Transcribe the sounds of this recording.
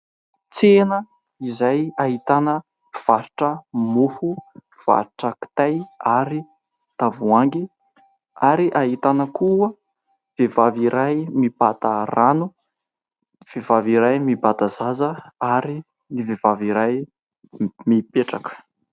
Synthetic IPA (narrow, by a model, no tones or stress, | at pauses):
t͡senə | izajaɦit̪anə | v̥aɾuʈ͡ʂəmofu | v̥a̰ɾiʈ͡ʂakt̪ajaɾi | t̪avuaŋɡi | aɾiʔaɦit̪anəkuə | v̥evaviɾajmibat̪aranu | v̥evaviɾajmibat̪azazəaɾi | nivevaviɾaj | mipeʈ͡ʂakə̥